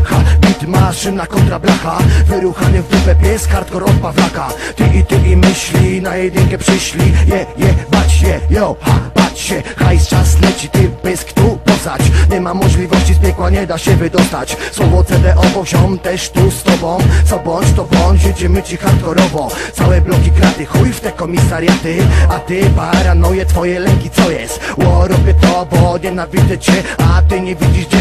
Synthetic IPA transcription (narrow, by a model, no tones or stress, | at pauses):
xabʲit̪maʂɪnakɔnt̪ɾablaxavɪɾuxanɪvːɪpɛpjɛst̪xaɾt̪kɔɾɔfpavlakat̪ɪʔit̪ɪmʲimɪɕlʲinajɛd̪nɪkɛpʂɪɕlʲijɛjɛbat͡ɕjɛjɔxab̥at͡ɕɕɛxajst͡ʂaslɛt͡ɕit̪ɪbɪskt̪upɔzat͡ɕɲɛmamɔʐlʲivɔɕt͡ɕispʲjɛkwaɲɛd̪aɕɛvɘd̪ɔst̪at͡ɕswɔvɔt̪sɛd̪ɛʔɔbɔʑɔmt̪ɛʂt̪ust̪ɔbɔ̃msɔbɔɲt͡ʃt̪ɔbɔɲd͡ʑvʲid͡ʑɛmɘt͡ɕixat̪lɔɾɔvɔt̪sawɛblɔkʲikɾad̪ɪxujft̪ɛkɔmʲisaɾʲjat̪ɪat̪ɪbaɾanujɛt̪fɔjɛlɛŋkʲit̪sɔjɛst̪wɔɾɔbʲjɛt̪ɔbɔɲɛnavʲit̪ɛt͡ɕɛat̪ɪɲɛvʲid͡ʑiʐd͡ʑɛ